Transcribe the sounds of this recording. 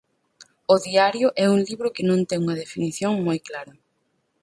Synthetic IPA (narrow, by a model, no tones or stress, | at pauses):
ʊðiaɾjʊʔɛuŋliβɾʊkɪnõnt̪ɛŋuŋɐðefiniθjoŋmojklaɾɐ